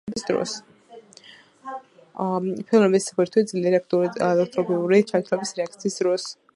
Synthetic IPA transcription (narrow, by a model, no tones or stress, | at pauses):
bisd̪ɾɔ̰s | pʰilˠmɛbisapɛɾt̪ʰwid̪zliɛɾiakt̪ɛk̚t̪ʼɾɔbiuɾit͡ʃʰat̪ʰlɛbisɾɛak̚ʰt̪sʰiːsd̪ɾɔs